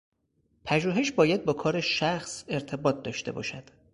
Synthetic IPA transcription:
pʰæʒuːɦe̞ʃbɒːjæd̪̚bɒːkʰɒːɾeʃæxse̞ɾt̪ʰe̞bɒːt̪̚ʰd̪ɒːʃt̪e̞̰bɒ̰ːʃæd̪̥

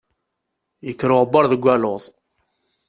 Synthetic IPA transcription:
jəkːɾʊʁbːɑɾˤðəɡʷːæloðˤ

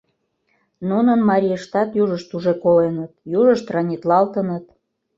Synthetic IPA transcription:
nunənmɑɾʲijəʃt̪ɑt̪juʒəʃt̪uʒekolenət̪juʒəʃt̪rɑnʲit̪lɑlt̪ənət̪

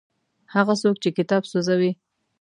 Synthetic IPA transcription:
haɣasokt͡ʃekɪt̪ɑbsozawi

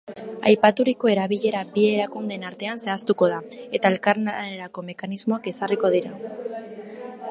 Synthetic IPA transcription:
a̰jpat̪uɾiko̞e̞ɾaβiʎe̞ɾabie̞ɾakund̪e̞naɾt̪e̞anse̞ast̪uko̞ð̞ae̞t̪ae̞lkaɾnaeɾako̞me̞kanizmo̞ake̞sariko̞ð̞iɾa

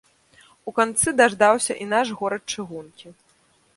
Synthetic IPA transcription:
ukant̪sɨd̪aʐd̪awsʲɐʔinaʂɣɔɾɐt̪̚t͡ʂɨɣunkʲi

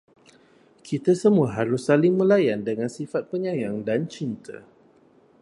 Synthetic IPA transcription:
kʰit̪asəmuəɦaɾʊsːalɪŋmũlajandəŋãnsifat̪̚pəɲajaŋdant͡ʃint̪ʰə̰

